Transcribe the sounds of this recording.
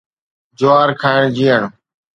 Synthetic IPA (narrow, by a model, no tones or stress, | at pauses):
d͡ʒoaːɾkʰaːɪɳd͡ʒiːəɳ